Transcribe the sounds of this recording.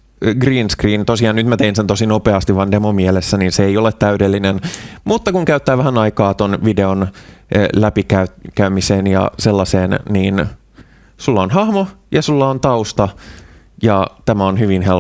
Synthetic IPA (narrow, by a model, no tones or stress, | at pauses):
ɡriːnskriːnt̪osiɑːnyt̪mæt̪einsent̪o̞sinopeɑst̪iʋɑndemomielesːæniːnseejolet̪tæydelːinenmut̪ːɑkuŋkæyt̪ːæːʋæhænɑikɑːt̪onʋide̞on | læpikæyt̪kæymiseːnjɑ̰selːɑseːnniːn | sulːɑonhɑhmojɑsulːɑont̪ɑust̪ɑ | jɑt̪æmæonɦyʋinhel